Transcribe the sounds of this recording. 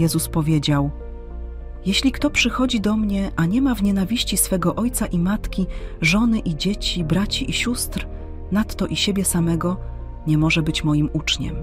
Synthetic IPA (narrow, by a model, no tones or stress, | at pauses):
ɛzuspɔvʲjed͡ʑaw | jeɕlʲikt̪ɔpʂɘxɔd͡ʑid̪ɔmɲɛʔaɲɛmavɲenavʲiɕt͡ɕisfɛɡɔʔɔjt̪saʔimat̪kʲiʐɔnɘʔid͡ʑet͡ɕibɾat͡ɕiʔiɕust̪ɾ | nat̪ːɔʔiɕebʲjɛsamɛɡɔ | ɲɛmɔʐɛbɘt͡ɕmɔjimut͡ʂɲɛ̰m